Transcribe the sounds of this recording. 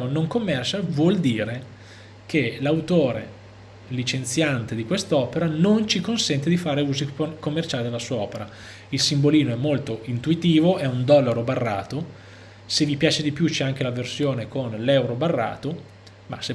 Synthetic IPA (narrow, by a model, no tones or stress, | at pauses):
onoŋkomːɛrt͡ʃalvwɔld̪iːɾe | k̟elawt̪oːɾḛ | lit͡ʃent̪sjant̪ed̪ikwest̪ɔːpeɾanont͡ʃikonsɛnt̪ed̪ifaːɾeuːzikomːert͡ʃaːlid̪elasuːaɔːpeɾa | ilsimboliːnoɛmːolt̪oint̪uit̪iːvoɛund̪ɔlːaɾobarːa̰ːt̪o | sevipjaːt͡ʃed̪ipjut͡ʃɛaŋk̟elaversjoːnekonlɛwɾobarːa̰ːt̪o | ma̰se